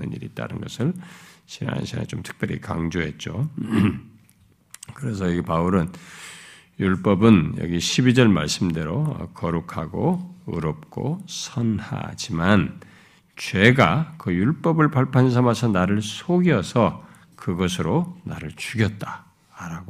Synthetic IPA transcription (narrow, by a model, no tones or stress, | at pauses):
nɯ̰nɲḭɾḭt͈a̰nɯnɡʌsʰɯɭɕʰina̰ɕʰinḛt͡ɕomtʰɯ̥k̚p͈jʌɾḭka̰ŋd͡ʑoɦe̞t̚t͡ɕ͈o | kɯɾe̞s̬ʰʌjʌɡipauɾɯn | juɭp͈ʌbɯnjʌ̰ɡiɕʰibid͡ʑʌɭma̰ɭs͈ɯmdeɾo̰kʌɾukʰaɡoɯɾʌp̚k͈o̰sʰʌnha̰d͡ʑiman | t͡ɕweɡakɯjuɭp͈ʌbɯɭpʰaɭpʰans̬ʰʌmasʰʌnaɾɯɭsʰoɡjʌsʰʌ | kɯɡʌsʰɯɾona̰ɾɯɭt͡ɕuɡjʌt̚t͈ḁ | ɾaɡo